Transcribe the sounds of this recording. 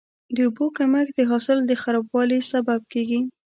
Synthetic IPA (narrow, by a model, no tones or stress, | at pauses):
d̪əʊbokamakd̪əɦɑsɪld̪əxaɾɑbwɑlisabab̚keɡi